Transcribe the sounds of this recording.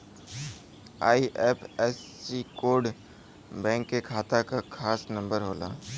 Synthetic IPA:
a̰ːiʔeːpʰɛsːikoːɾɖ | bɛ̃ːŋkːekʰaːt̪akakʰaːsnə̃mbəɾɦoːla̰

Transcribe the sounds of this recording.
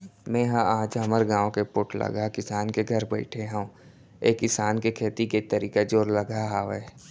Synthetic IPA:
mɛ̃ːɦãaːd͡ʒɦɐməɾɡãːʋõkepʊʈʰlə̰ɡakɪsaːnkeɡʱɐɾbɛːɪʈʰeɦɛũ | eːkːɪsaːnkekʰeːt̪iket̪əɾiːkad͡ʒoːɾləɡʱaɦaːʋeː

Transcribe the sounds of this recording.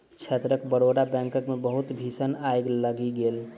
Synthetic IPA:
t͡ʃʰet̪ɾəkbəɽoɽabɛ̃ŋkəkmebəɦut̪bʱisənajɡləɡiɡeːl

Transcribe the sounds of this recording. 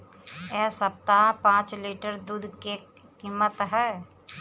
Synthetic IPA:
ɛɦsəp̚t̪apãːt͡ʃliːʈəɾd̪uːd̪ʱke | kiːmːət̪ɦɛː

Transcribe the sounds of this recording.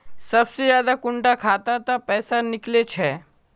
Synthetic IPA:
sɐbsed͡ʒaːd̪akʊɳʈakʰaːt̪at̪apɛːsanɪklet͡ʃʰɛː

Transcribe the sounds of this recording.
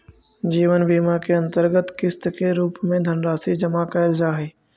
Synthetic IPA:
d͡ʒiːʋənbiːmaːkʰeɐ̃nt̪əɾɡət̪kɪst̪keɾuːpmẽd̪ʱɐnɾaːsid͡ʒɐmakəjəld͡ʒaːɦeː

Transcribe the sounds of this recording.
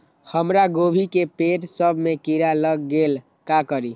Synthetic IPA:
həmɾaɡobʱikepeʈsəbʱmekiɾaləɡːel | kakəɾi

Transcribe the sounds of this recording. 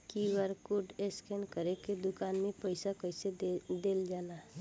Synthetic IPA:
kiʋəɾkʊɖeskɛnkəɾeked̪ʊkaːnmẽpəɪsakəɪsed̪eːld͡ʒaːna

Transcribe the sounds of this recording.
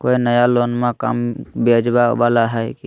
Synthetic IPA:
koinəjalonmẽka̰mbed͡ʒbabalaɦɛjki

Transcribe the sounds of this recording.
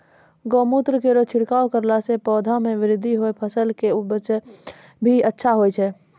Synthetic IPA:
ɡɔmut̪ɾəkeɾot͡ʃʰɪɽkaːokəɾlasepɔːd̪ʱameʋɪɾɪd̪ʱːiɦoepʰəsəlkebət͡ʃ | bʱiətːʃʰaɦojt͡ʃʰɛ

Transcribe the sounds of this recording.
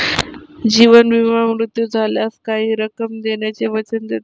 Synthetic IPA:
d͡ʑiʋənʋiʋ̤amɾut̪jud͡zʱaljaskaɦiːɾəkəmd̪eɳjat͡seʋət͡ɕənd̪et̪

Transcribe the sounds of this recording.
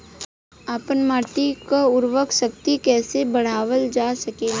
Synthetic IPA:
aːpənmaːʈikaʊɾʋəkʃəkt̪ikɛːsebɐɽ̤aːʋəld͡ʒaːsɐkeː

